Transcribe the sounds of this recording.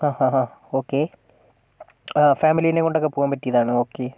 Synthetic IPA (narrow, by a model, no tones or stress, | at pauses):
aːhãɦãː | o̞ːkːe | faːmilijinekːo̞ɳɖo̞kːepuːɐmpɐtːijɐðaːɳɨo̞ːkːe